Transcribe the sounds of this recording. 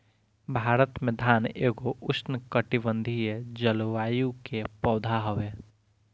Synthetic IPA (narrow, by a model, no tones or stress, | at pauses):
bʱaːɾət̪mẽd̪ʱaːneːɡoʔʊsnəkəʈibə̃nd̪ʱied͡ʒəlʋaːjũkepɔːd̪ʱaɦoʋeː